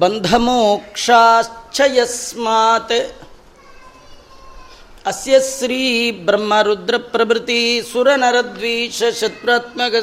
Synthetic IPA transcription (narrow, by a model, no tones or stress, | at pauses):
bɐnd̪ʱɐmoːkʂaːt͡ʃʰɐjɐsmaːt̪e | ɐsjɐsɾiːbɾɐmːɐɾud̪ɾɐpɾɐʋɾɪt̪isuɾɐnɐɾɐd̪ʋiːʃɐʃɐt̪̚ɾaːt̪mɐkɐ